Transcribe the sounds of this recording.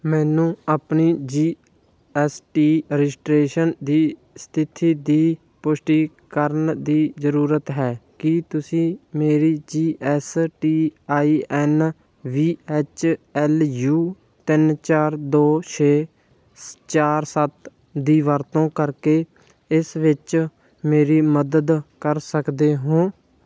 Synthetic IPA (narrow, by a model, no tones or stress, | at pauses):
mɛ̃ːnũːaːpniːd͡ʒiː | ɛːsʈiːɾd͡ʒʈɾeːʃənd̪iː | st̪ʰɪt̪ʰiːd̪iː | pʊʃʈiː | kəɾnd̪iːzəɾuːɾət̪ɦɛːkɪt̪ʊsĩːmeːɾiːd͡ʒiːʔɛːsʈiːaːiːʔɛːn | ʋiːeːt͡ʃɛːljuː | t̪ɪnt͡ʃaːɾd̪oːt͡ʃʰeː | t͡ʃaːɾsət̪ | d̪iːʋəɾt̪õːkəɾkeː | ɪsʋɪt͡ʃ | meːɾiːməd̪əd̪kəɾsəkd̪eːɦõː